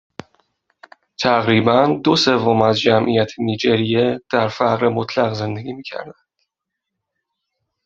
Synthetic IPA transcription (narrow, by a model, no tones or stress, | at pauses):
t̪ʰæɣɾiːbænd̪o̞se̞vːomæzd͡ʒæmʔijæt̪ʰeniːd͡ʒe̞ɾijed̪̥æɾfæɣɾemot̪ʰlæɣze̞nd̪e̞ɟʲiːmiːcʰæ̰ɾd̪ænd̪̥